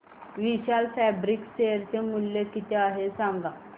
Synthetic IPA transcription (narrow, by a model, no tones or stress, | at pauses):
ʋiɕalfɛbɾikɕeəɾt͡ɕemuljekit̪eaɦesãŋɡa